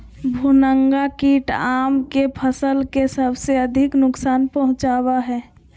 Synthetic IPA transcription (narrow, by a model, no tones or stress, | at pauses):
bʱunəŋɡakiːʈaːmkepʰəsəlkesəbseəd̪ʱɪknʊksaːnpəɦʊ̃t͡ʃaːwaɦɛː